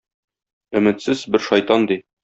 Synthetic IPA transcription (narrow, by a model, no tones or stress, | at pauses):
ɵ̆mɘ̆t̪sɘzbɘɾʃɒjt̪ɑnd̪i